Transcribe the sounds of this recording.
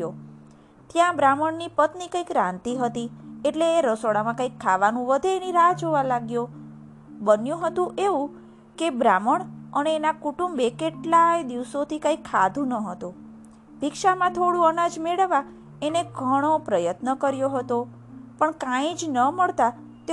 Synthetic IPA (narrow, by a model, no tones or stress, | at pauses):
jo | t̪jãbɾaməɳnipət̪nikə̃ikɾãnt̪iɦət̪ieʈleːɾəsoɽamãkãikʰːaʋanũʋəd̪ʱeːniɾad͡ʒoʋalaɡjo | bənjũɦət̪ũʔeʋũ | kebɾaməɳəneːnakuʈumbekeʈlajd̪iʋsot̪ʰikãikʰːad̪ʱũnəɦət̪ũ | bʱikʃamãt̪ʰoɽũənad͡ʒmeɭəʋa | eneɡʱəɽ̃opɾəjət̪nəkəɾjoɦət̪o | pəɳkãĩd͡ʒnəməɭt̪a | t̪e